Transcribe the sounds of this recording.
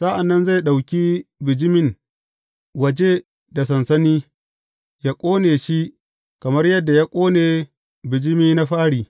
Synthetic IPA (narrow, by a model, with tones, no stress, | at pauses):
sa˦ʔa˨nːɐ˦nza˦˨jɗa˨wkʲi˦bɪ˨d͡ʒɪ˦mɪ˦ŋ | wɐ˨d͡ʒe˦ | da˨sɐ˨nsɐ˦niː˦ | ja˦kʷʼoː˦neː˨ʃi˦ʔ | kɐ˨mɐ˦rjɐ˦dːa˨ja˦kʷʼoː˦neː˨ | bɪ˨d͡ʒɪ˦miː˦na˦ɸaː˦ɽiː˨